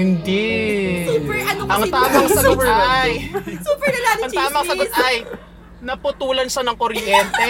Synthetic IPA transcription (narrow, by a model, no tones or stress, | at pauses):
ɪnd̪i | upɛɐɐŋt̪aːmɐŋsɐɡotɛajsuːpɛɐlaɐŋt̪aːmɐŋsɐɡot̪ʔɐj | nɐpʊt̪uːlɐnʃɐnɐŋkoɾjɛnt̪ɛ